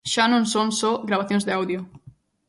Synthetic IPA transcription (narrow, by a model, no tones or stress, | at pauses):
ʃanõnsonsoɣɾaβ̞aθjõnzðeawðjo